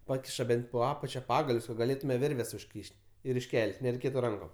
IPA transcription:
ˈpɑːkʲɪʃɐ ˈbʲɛnʲtʲ poː ˈɑːpɐt͡ʃʲɛ ˈpɑːɡɐlʲʊs kɐt ɡɐˈlʲeːtʊmʲɛ ˈʋʲɪrʲʋʲɛs ʊʃʲˈkʲiːʃʲtʲ ɪr ɪʃʲˈkʲɛlʲtʲ nʲɛrʲɛɪˈkʲeːtʊ ˈrɐŋkoːm

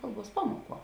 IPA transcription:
ˈkɐlˠˌbuɔs ˈpɑːmuɔˌkuɔ

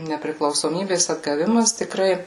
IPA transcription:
nʲɛpʲrʲɪklˠɐʊsoːˈmʲiːbʲeːs ɐdɡɐˈʋʲɪmɐs tʲɪˈkrɐɪ

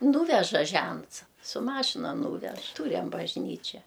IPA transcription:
ˈnuːʋʲɛʒɐ ˈʒʲɛnts sʊ ˈmɑːʃʲɪnɐ ˈnuːʋʲɛʃ ˈtuːrʲɛm bɐʒʲˈnʲiːt͡ʃʲɛ

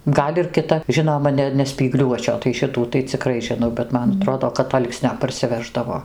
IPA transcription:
ˈɡɐlʲ ɪr kʲɪˈtɐ ˈʒʲɪnoːmɐ ˈnʲɛ nʲɛ sʲpʲiːˈɡlʲuɔt͡ʃʲoː tɐɪ ˈʃʲɪtuː tɐɪ t͡sʲɪˈkrɐɪ ʒʲɪˈnɐʊ bʲɛt ˈmɐn ɐˈtroːdoː kɐt ˈɐlˠksʲnʲoː pɐrʲsʲɪˈʋʲæːʒdɐʋoː

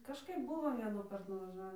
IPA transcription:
kɐʃˈkɐɪp ˈbʊʋoː ʋʲiɛnuːˈkɐrt nʊʋɐˈʒɑːʋʲiː

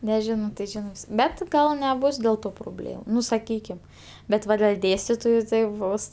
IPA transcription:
nʲɛˈʒʲɪnoː tɐɪ ˈʒʲɪnɜ ˈbʲɛt ˈɡɐlˠ nʲɛˈbʊs dʲeːlˠ ˈtoː proːˈbʲlʲeːm ˈnʊ sɐˈkʲiːkʲɪm ˈbʲɛt ˈʋɐ dʲɛlʲ ˈdʲeːsʲtʲɪtoːjʊ tɐɪ ˈbʊs

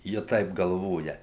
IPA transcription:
ˈjɪ ˈtɐɪp ɡɐlˠˈʋoːjɛ

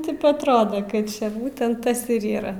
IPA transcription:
ˈtʲɪp ɐtˈroːdɐ kɐt ˈt͡ʃʲɛ ˈbuːtʲɛnt ˈtɐs ɪr ˈiːrɐ

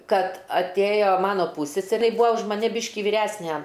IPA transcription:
ˈkɐt ɐtʲˈeːjoː ˈmɑːnoː ˈpuːsʲsʲɛsʲɛrʲeː jɪ ˈbuːʋoː ʊʃ mɐˈnʲɪ ˈbʲiːʃʲkʲɪ ʋʲiːˈrʲæsʲnʲæ

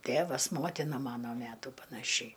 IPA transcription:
ˈtʲeːʋɐs ˈmoːtʲɪnɐ ˈmɑːnoː ˈmʲæːtuː pɐnɐˈʃʲɛɪ

